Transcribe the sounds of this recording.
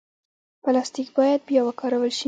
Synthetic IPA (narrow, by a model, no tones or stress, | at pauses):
palɑst̪ikbɑjad̪̚bjɑwakɑɾawəlʃi